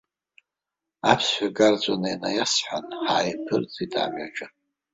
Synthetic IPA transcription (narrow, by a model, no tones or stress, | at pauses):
apʰsħʷᶣaɡart͡sʷʼanajnajasħʷanħaːjpʰɨrt͡sʼitʰʼa̰ːmaʈ͡ʂʼɨ